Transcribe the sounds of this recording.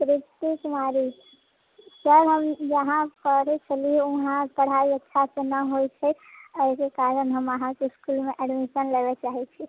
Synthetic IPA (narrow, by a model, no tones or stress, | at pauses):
pɾit̪ikumaɾi | səlɦəmd͡ʒəɦãkəɾet͡ʃʰəlieuɦãpəɽ̤aiətːʃʰasenəɦojt͡ʃʰɛəɪkekaɾənɦəməɦãkeskulmeʔɛɖmisənlebet͡ʃaɦit͡ʃʰi